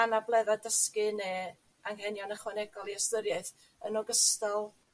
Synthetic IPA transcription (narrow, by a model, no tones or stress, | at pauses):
anablˠɛðadəskɨne | aŋhɛnjɔnəχwɛnɛɡɔlˠiastəɾjaθ | ənɔɡəstɔlˠ